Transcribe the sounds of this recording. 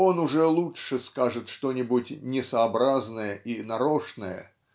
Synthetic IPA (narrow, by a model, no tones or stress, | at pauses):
o̞nʊʐɛlˠuɨskaʐɨt̪ʂt̪onʲɪbʊtʲnʲɪsɐɐbɾaznəjəʔinɐɾoʂnəjə̰